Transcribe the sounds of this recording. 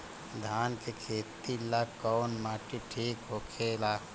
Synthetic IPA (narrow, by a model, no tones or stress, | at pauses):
d̪ʱaːnkekʰeːt̪ilakːɔwnmaːʈiʈʰiːkɦokʰela